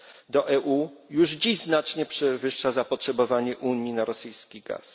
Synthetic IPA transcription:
d̪ɔʔɛʔujuʐd͡ʑiʑznat͡ʂɲɛpʂɛvɘʂːazapɔtʂɛbɔvaɲɛʔuɲjinaɾɔsɘjskʲiɡa̰s

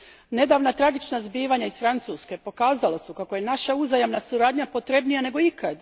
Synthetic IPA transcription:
ne̞d̪aːʋnat̪ɾaɡit͡ʃnazbiːʋaɲaisfɾant̪suːske̞po̞kaːzalasukako̞je̞naʃauzajamnasuɾaːd̪ɲapo̞t̪ɾe̞bnijane̞ɡo̞ikad̪

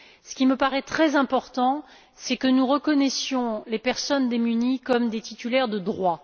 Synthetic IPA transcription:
sə̥kʲiməpaʁɛt̪χɛzɛ̃pɔʁt̪ɑ̃ | sɛkənuʁəkɔnɛsjɔ̃lepɛʁsɔnd̪emynikɔmd̪et̪it̪ylɛʁd̪əd̪ʁwa

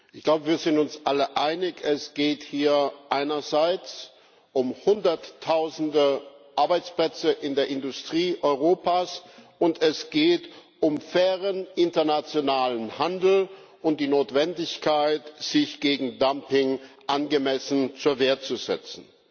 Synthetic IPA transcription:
ʔɪçɡ̥laʊbəviːɐzɪntʊnsʔaləʔaɪnɪçɛsɡ̥eːthiːɐʔaɪnɐzaɪt͡s | ʔʊmhʊndɐtʰːaʊzn̩dəʔaɐbaɪt͡splɛt͡səʔɪndeːɐʔɪndʊstʁ̥iːʔɔʏʁ̞oːpaːs | ʊntɛsɡ̥eːt | ʔʊmfɛːʁənʔɪntɐnat͡sjonaːlənhandl̩ | ʊnt̚d̥iːnoːtv̥ɛndɪçkʰaɪtz̥ɪçɡ̥eːɡŋ̩dampɪŋʔanɡəmɛsn̩t͡suːɐveːɐtt͡suzɛ̰t͡sn̩

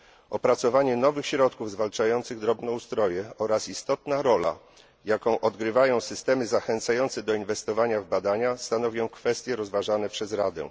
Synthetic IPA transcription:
ɔpɾat̪sɔvaɲɛnɔvɘxɕɾɔt̪kuvzvalt͡ʂajɔnt̪sɘɣd̪ɾɔbnɛust̪ɾɔjɛɔɾasist̪ɔt̪naɾɔla̰ | jakɔ̃w̃ʔɔd̪ɡɾɘvajɔ̃w̃sɘst̪ɛmɘzaxɛnt̪sajɔnt̪sɛd̪ɔinvɛst̪ɔvaɲavbad̪aɲast̪anɔvʲjɔ̃w̃kfɛst̪ʲjɛɾɔzvaʐanɛpʂɛzɾad̪ɛ̰

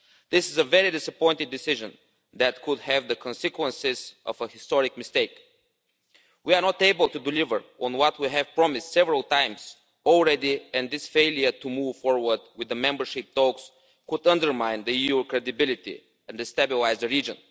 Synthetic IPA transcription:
ðɪsɪzəvɛɹid̪ɪsəpɔ̃ɪ̃nt̪ɪd̪ːɪsɪʒə̃n | ðæt̪̚kʰʊd̪hɛvðəkʰɔ̃nsɪkwə̃nsɪzʔɔ̰vəhɪst̪ɔɹɪk̚mɪst̪eɪk | wiaɹnɔt̪eɪbəlˠt̪ud̪ɪlɪvə˞ɔ̃nwɔt̪wiɦɛv̥pɹɔmɪstsɛvəɹəlˠt̪ãɪ̃mz̥ | ɔlˠɹɛd̪iɛ̃nd̪ɪsfeɪlˠjə˞t̪umuv̥fɔɹwə˞d̪wɪðəmɛ̃mbə˞ʃɪp̚t̪ɔks | kʊd̪ʌ̃nd̪ə˞mãɪ̃nd̪əijukɹɛd̪ɪbɪlɪt̪ḭ | ɛ̃nd̪ɨst̪æbɪlaɪzdəɹid͡ʒə̃n

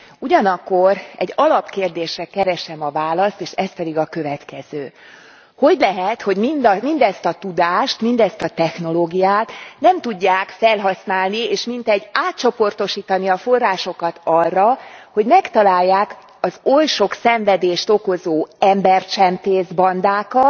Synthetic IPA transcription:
uɟɒnɒkːo̞rɛ̰ɟːɒlɒpkeːrd̪eːʃrɛkɛɾɛʃɛmɒvaːlɒst̪eːʃɛs̚pɛd̪iɡɒkø̞vɛt̪kɛz̥øː | ho̞ɟlɛɦɛt̪ho̞ɟmind̪mind̪ɛst̪ɒt̪ud̪aːʃt̪mind̪ɛst̪ɒt̪ɛxno̞loːɡijaːt̪nɛmt̪uɟːaːkfɛlɦɒsnaːlnieːʃmint̪ɛɟːaːt̪t͡ʃo̞po̞rt̪o̞ʃiːt̪ɒniɒfo̞rːaːʃo̞kɒt̪ɒrːɒho̞ɟmɛkt̪ɒlaːjːaːk | ɒzo̞lʃo̞ksɛɱvɛd̪eːʃt̪o̞ko̞zoːɛmbɛrt͡ʃɛmt̪eːzbɒnd̪aːkɒt̪

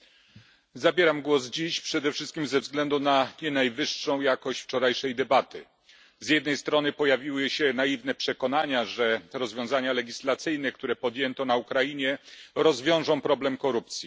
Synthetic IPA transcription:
zabʲjɛɾamɡwɔzd͡ʑiɕpʂɛd̪ɛfʂɘst̪̚kʲimzɛvzɡlɛnd̪unaɲɛnajvɘʂːɔ̃w̃jakɔɕt͡ɕft͡ʂɔɾajʂɛjd̪ɛbat̪ɘ̰ | zjɛd̪nɛjst̪ɾɔnɘpɔjavʲiwɘɕɛnaivnɛpʂɛkɔnaɲaʐɛɾɔzvʲjɔ̃zaɲalɛɡʲislat̪sɘjnɛk̚t̪uɾɛpɔd̪jɛnt̪ɔnaukɾajiɲɛɾɔzvʲjɔ̃w̃ʐɔ̃w̃pɾɔblɛmkɔɾup̚t̪sʲji

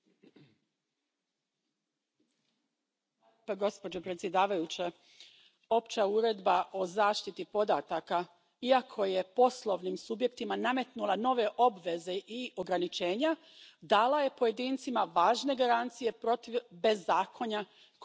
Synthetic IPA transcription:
ɡo̞spo̞d͡ʑo̞pɾet̪sʲje̞d̪aːʋajut͡ɕe | o̞pt͡ɕauɾe̞d̪baʔo̞zaːʃt̪it̪ipo̞d̪at̪aka | iakʰo̞je̞po̞slˠo̞ʋnimsubje̞kt̪imaname̞t̪nulˠano̞ʋe̞ʔo̞bʋe̞ze̞ʔio̞ɡɾanit͡ʃe̞ːɲa | d̪aːlaje̞po̞je̞d̪iːnt̪simaʋaːʒne̞ɡaɾant̪sije̞pɾo̞t̪iʋbe̞zːaːkʰo̞ɲa | k

